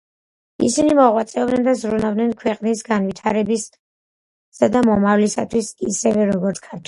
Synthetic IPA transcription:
ḭsinimɔʁwat̪sʼɛɔbdnɛnd̪azɾunabd̪nɛnkʰwɛqʼnisɡanwit̪ʰaɾɛbis | sad̪amɔmavlisat̪ʰwisisɛvɛɾɔɡɔɾt̪sʰkʰaɾt̪ʰ

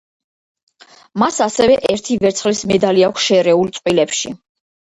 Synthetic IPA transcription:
masasɛvɛʔɛɾt̪ʰivɛɾt̪sʰχlismɛd̪aliakʷʰsʃɛɾɛult̪sʼqʼwilɛpʃḭ

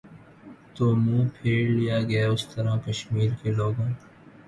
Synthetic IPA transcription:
t̪oːmũːpʰeːɾlijaːɡɐjaʊst̪ɐɾakɐʃmiːɾkeːloːɡãː

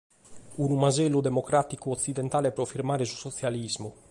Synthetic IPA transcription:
unumazɛlːud̪ɛmɔkɾat̪ikuɔt̪sːid̪ɛnt̪aːlepɾɔfiɾmaːɾesu̥sɔt̪sjalizmu

